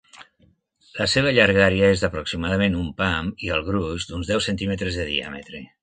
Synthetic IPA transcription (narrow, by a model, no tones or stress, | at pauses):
ləseβ̞əʎaɾɣaɾjəezðəpɾuksimaðəmenumpamiəlˠɣɾuzd̪unzðɛwsent̪imət̪ɾezðəðḭa̰mə̰t̪ɾe